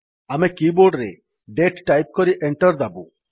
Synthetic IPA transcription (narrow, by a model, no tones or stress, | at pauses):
amekiboɾɖɾḛ | ɖeʈʈajp̚kɔɾiʔeɳʈɔɾd̪abṵ